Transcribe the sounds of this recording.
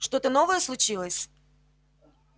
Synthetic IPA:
ʂt̪o̞t̪əno̞vəjəslˠʊt͡ɕilˠəsʲ

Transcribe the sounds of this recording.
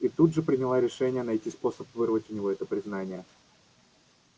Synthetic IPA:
it̪ud̪ʐɨpɾʲɪnʲɪlˠaɾʲɪʂɛnʲɪjənɐjtʲispo̞səpvɨrvətʲʊnʲɪvo̞ɛt̪əpɾʲɪznanʲɪjə

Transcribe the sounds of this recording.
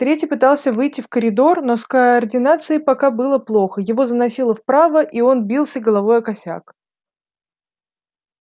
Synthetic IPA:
t̪ɾʲetʲɪpɨt̪alˠsʲəvɨjtʲːɪfkəɾʲɪd̪o̞rno̞skəɐrdʲɪnat̪sɨɪpɐkabɨlˠəplˠo̞xəjɪvo̞zənɐsʲilˠəfpɾavəʔio̞nbʲilˠsʲəɡəlˠɐvo̞jɐkɐsʲa̰k

